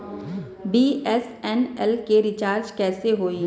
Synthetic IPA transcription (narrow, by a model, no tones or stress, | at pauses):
biːɛs | ɛnɛlkeɾɪt͡ʃaːɾd͡ʒkɛːseɦoːi